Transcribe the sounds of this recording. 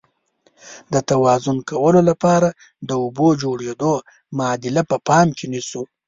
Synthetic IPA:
d̪ət̪awɑzʊnkʰawəlolapɑɾa | d̪əubod͡ʒoɽed̪o | mɑd̪ɪlapəpɑmkenisu

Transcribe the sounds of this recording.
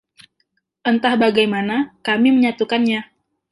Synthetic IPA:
ʔənt̪ahbaɡajmanakamiməɲat̪ukanɲa

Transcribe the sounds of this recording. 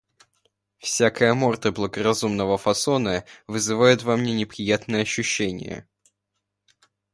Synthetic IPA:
fsʲakəjəmo̞rt̪əblˠəɡərɐzumnəvəfɐso̞nəvɨzɨvajʊt̪vɐmnʲenʲɪpɾʲɪjat̪nəjəɐɕːʉɕːenʲɪ̰jə̰

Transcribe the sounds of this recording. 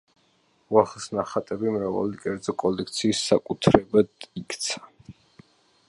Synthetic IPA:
uaχlsnaχat̪ʼɛbimɾava̰likʼɛɾd̪zɔkʼɔlɛkʰt̪sʰiːsːakʼut̪ʰɾɛbad̪ikʰt̪sʰḁ

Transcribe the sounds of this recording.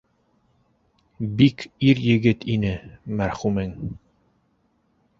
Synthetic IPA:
bikiɾjɘ̆ɡɘt̪inɘmæɾχʉmɘŋ

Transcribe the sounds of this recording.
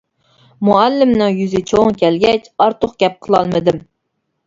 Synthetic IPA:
moælːɪmnɨŋjyzɪt͡ʃʰoŋkʲʰɛlɡʲɛt͡ʃɑɾt̪ʰʊχɡʲɛp̚qʰəlˠɑlˠmɨd̪ɨm

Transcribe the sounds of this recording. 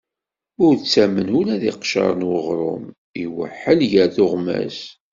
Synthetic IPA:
ʊɾt͡sːæmənulæðiqʃɑ̰ɾˤənwəʁɾˤʊ̰m | iwə̰ħːəlʝəɾθʊʁmæ̰s

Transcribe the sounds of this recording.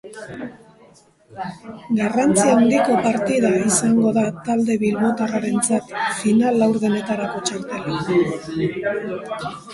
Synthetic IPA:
ɡarant͡siaund̪iko̞paɾt̪iðaisaŋɡo̞ðat̪ald̪e̞βilβo̞t̪araɾe̞nt͡sat̪finalːawɾðene̞t̪aɾako̞t͡ʃaɾt̪e̞la

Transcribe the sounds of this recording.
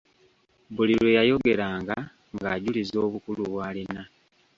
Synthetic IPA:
bulilwe̞jajo̞ɡe̞ɾaːŋɡa | ŋɡaːɟulizo̞ːβukuluβwaːlina

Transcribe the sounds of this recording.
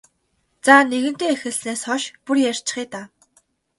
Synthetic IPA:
t͡saːneɣɘ̆n̥t̪eːexɘ̆ɮneːsχɔʃpurjær̥ʲt͡ɕɪ̥̆χiːt̪aː

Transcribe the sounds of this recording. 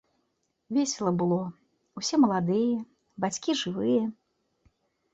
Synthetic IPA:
vʲesʲɛlˠɐbɨlˠɔ | usʲɛmɐlˠad̪ɨjɛ | bat͡sʲkʲiʐɨvɨjɛ

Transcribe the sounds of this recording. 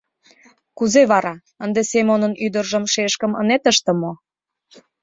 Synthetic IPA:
kuzeβɑɾɑ | ənd̪esemonənyd̪ərʒəmʃeʃkə̆mə̰net̪əʃt̪ə̆mo

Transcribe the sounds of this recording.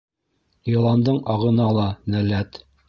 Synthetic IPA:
jɤ̆lˠɑnd̪ɤɴɑʁɤ̆nɑlˠɑnælæt̪

